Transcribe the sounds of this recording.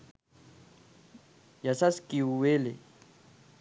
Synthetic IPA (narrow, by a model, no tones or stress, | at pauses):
jasaskʼiuwelɪ